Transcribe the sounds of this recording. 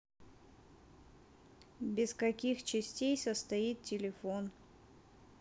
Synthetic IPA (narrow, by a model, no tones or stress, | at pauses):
bʲɪskɐkʲixt͡ɕɪsʲtʲejsəst̪ɐit̪̚tʲɪlʲɪfon